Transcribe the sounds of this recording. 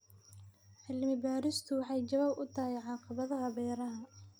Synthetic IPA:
ħɪlmɪbaːɾɪst̪ʰʊwɑħɑjt͡ʃɐβaːbʊt̪ʰɐɦɛjʕɑːqɑβɐðɐɦɐbɛːɾɐɦɐ

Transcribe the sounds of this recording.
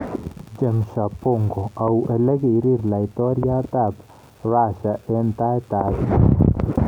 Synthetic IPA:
d͡ʒeŋʃapoŋɡoaweleɣiɾiɾlait̪ɔɾjat̪ap | βaʃaʔent̪aet̪að

